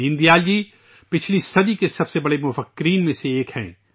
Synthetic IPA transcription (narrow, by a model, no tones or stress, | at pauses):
ɪ̃nd̪ijaːld͡ʒiː | pɪt͡ʃʰlisɐd̪ikesɐbsebɐɽemʊfəkːɾiːnmẽseeːkhɛ̰̃ː